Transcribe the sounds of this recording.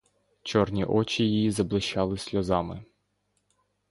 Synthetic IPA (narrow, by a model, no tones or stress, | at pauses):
t͡ʃɔrnʲiʔɔt͡ʃʲijijizɐblˠɪʃɑlˠɪsʲlʲɔzɑmɪ